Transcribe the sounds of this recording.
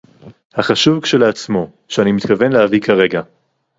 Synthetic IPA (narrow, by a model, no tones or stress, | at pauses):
haχaʃuvkʃeleat͡smo̞ | ʃeanimit̪kave̞nlehavikaʁe̞ɡa